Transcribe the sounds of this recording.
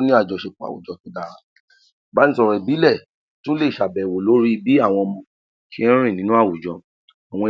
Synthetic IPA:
nĩ˦a˦˨d͡ʒɔ˨ʃe˧˨k͡pa̰˨wṵ˨d͡ʒɔ˨tũ˨˦da˧ɾa˧ | ba˨˦n̩ĩ˦sɔ˧˨ɾɛ˨bi˨˦lɛ˦˨ | tũ˦le˦˨ʃa˨bɛ˨wo˨lo˨˦ɾi˦bi˦a˦˨w̃ɔ̃˧mɔ̃˧ | kʰi˦ɛ̃˦ɾ̃ĩ˦˨nĩ˨˦nũ˦a˦˨wu˨d͡ʒɔ˧ | a˨w̃ɔ̃˧

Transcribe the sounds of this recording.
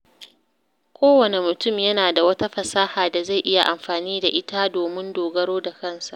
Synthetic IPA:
kʷʰoː˦wɐ˨ne˨mʊ˨tʊ˦˨mjɐ˦naː˨da˨wɐ˦ta˦ɸɐ˨saː˦haː˨da˨za˦˨jʔɪ˦ja˨ʔa˨mɸaː˨niː˦da˨ʔɪ˦ta˦doː˨mɪ˦ndoː˨ɡɐ˦ɽoː˦da˨kɐ˦˨nsa˨ʔʔ

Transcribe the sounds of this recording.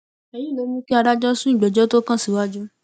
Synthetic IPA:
ɛ˧jĩ˦lo˨˦nĩ˦ki˦a˧ɾa˦d͡ʒɔ˦sũ˦i˦˨ɡ͡bɛ˨d͡ʒɔ˦to˦kã˦˨si˨wa˦d͡ʒu˦

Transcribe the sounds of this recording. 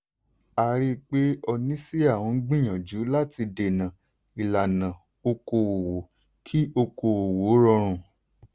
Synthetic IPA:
a˧ɾi˦k͡pe˦ɔ˧nĩ˦si˦a˦˨w̃ɔ̃˨˧˦ɡ͡bĩ˦˨j̃ã˨d͡ʒu˨˦la˦ti˧de˨nã˨ | i˨la˨nã˨ | o˧ko˧wo˨wo˨˦ | kʰi˦o˧ko˧wo˨wo˨˦ɾɔ˧ɾ̃ũ˨

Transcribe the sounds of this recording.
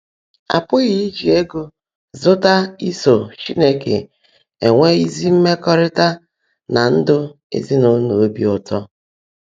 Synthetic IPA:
a̰˨pʊ˦ɣɪ˦i˦d͡ʒi˨e˦ɡu˦ | zʊ˦ta˦i˦so˨t͡ʃi˦ne˦kḛ˨ | e˨ŋʷe˦i˦zi˦m̩˦me˦kɔ˦ɾɪ˦ta˦ | na˨n̩˦dʊ˦ | ḛ˦zi˦no˨˦no˨˦bi˦ʊ˨tɔ˦

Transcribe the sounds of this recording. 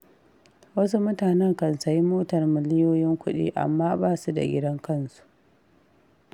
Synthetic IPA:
wɐ˦s̬u˦mʊ˦taː˨nɛ˦ŋkɐ˨nsɐ˨ji˦moː˦tɐ˨rmɪ˨lɪ˦joː˦jɪ˦ŋkʷʊ˦ɗḭ˦ʔa̰˨mːaː˦baː˦su˦da̰˨ɡʲɪ̰˦dɐ˦ŋkɐ˦nsu̥˨ʔ

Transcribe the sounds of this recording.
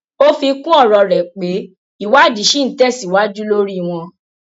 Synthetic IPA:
o˦fi˧kũ˦ɔ˦˨ɾɔ˧ɾɛ˨k͡pe˨˦ | i˦˨wa˦˨d͡ʒi˨˦ʃi˦n̩˨˦tɛ˦˨si˨wa˨˦d͡ʒu˦lo˦ɾi˦˨w̃ɔ̃˧

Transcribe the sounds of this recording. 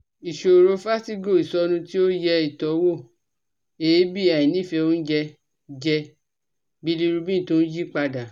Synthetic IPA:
i˨ʃo˨ɾo˧fa˦ti˦ɡo˦˨i˨sɔ˧˦nũ˧ti˦o˦jɛ˧i˨tɔ˨˦wo˦˨ | e˨˦bi˦a˨i˨nĩ˦˨fɛ˧o˦n̩˦d͡ʒɛ˧ | d͡ʒɛ˧ | bi˦li˧ɾu˧bĩ˦˨to˦n̩˦d͡ʒi˦k͡pa˧da˨

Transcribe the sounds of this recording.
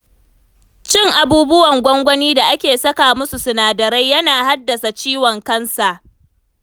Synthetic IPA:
t͡ʃɪ˦˨ŋʔa˨buː˦bʊ˦wɐ˨ŋɡʷɔ˦ŋɡʷɔ˦niː˦da˨ʔa˦kʲeː˨sɐ˦kaː˨mʊ˦su˨sʊ˨naː˨dɐ˨ɾa˦jjːɐ˦naː˨ha˦dːɐ˨sa˨t͡ʃiː˦wɔ˨ŋkɐ˦nsa˨ʔ

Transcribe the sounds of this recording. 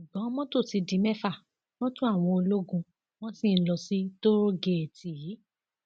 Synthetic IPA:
i˨bɔ̃˨˦mɔ̃˦to˦˨ti˨˧dĩ˨˦mɛ˦fa˦˨ | mɔ̃˦tũ˦a˦˨w̃ɔ̃˧o˧lo˦ɡũ˧ | w̃ɔ̃˦sĩ˦˨n̩˦lɔ˧si˦to˦ɾo˦ɡe˨e˨ti˨i˨˦

